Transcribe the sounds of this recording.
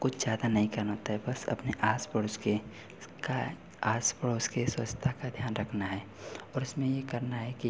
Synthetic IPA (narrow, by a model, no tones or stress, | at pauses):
kʊt͡ʃʰzjaːd̪anɐɦĩkɐɾnaɦoːt̪aɦɛbɐsɐ̰pneʔaːspəɽʊske | ka | aːspəɽoskeswət͡ʃt̪ʰakad̪ʱjaːnɾɐkʰnaɦɛː | ɔːɾɪsmẽjekɐɾnaɦɛki